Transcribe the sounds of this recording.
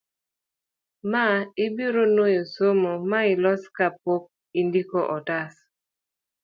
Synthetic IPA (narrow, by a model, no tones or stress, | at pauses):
maɪbiɾonojosomomaɪlɔskapok̚ | indikoʔɔtas